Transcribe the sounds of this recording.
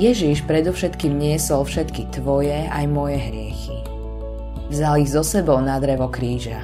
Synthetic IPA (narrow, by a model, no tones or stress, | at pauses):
jɛʒiʃpɾɛd̪ɔfʃɛt̪kiːmɲɪɛsɔlfʃɛt̪kit̪ʋɔjɛajmɔjɛɦɾɪɛxi | vzaliɣzɔsɛbɔʊnad̪ɾɛʋɔkɾiːʒa